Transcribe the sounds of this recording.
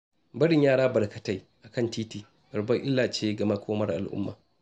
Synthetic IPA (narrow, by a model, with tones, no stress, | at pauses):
bɐ˦ɽɪ˨ɲjaː˦ɽaː˦bɐ˨ɽkɐ˨ta˨j | ʔa˨kɐ˦˨ntiː˦tiː˨ | bɐ˨ɾbɐ˦ʔɪ˦lːaː˨t͡ʃeː˦ɡɐ˨ma˦kʷʰoː˦mɐ˦rʔa̰˨lʔʊ̰˦mːa̰ː˨